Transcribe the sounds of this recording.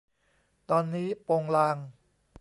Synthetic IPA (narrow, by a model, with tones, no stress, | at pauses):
t̪ɔː˧nːiː˦˥po˧ŋlaː˧ŋ